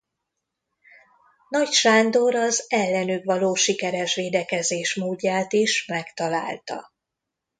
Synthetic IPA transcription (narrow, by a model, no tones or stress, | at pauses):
nɒcʃaːnd̪o̞ɾɒzɛlːɛnykʋɒloːʃikɛɾɛʃʋeːd̪ɛkɛzeːʃmoːɟːaːt̪iʃmɛkt̪ɒla̰ːlt̪ɒ̰